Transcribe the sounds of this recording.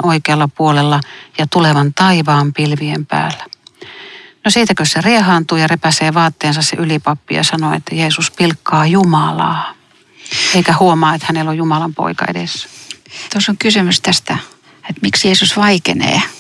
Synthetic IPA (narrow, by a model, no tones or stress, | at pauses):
ʔoikeɑlːɑpuolelːɑjɑt̪uleʋɑnt̪ɑiʋɑːmpilʋiempæ̰ːlːæ | nosiːt̪ækøsseriehɑːnt̪uːjɑrepæseːʋɑːt̪ːeːnsɑssḛʔylipɑpːijɑ̰sɑnoḛt̪ːæjeːsuspilkːɑːjumɑlɑ̰ː | eikæhuomɑːet̪hænelːojjumɑlɑmpo̰ikɑ̰ḛdesːæ̥t̪osoŋkysymyst̪æst̪æ | et̪miksjeːsusʋɑikenḛː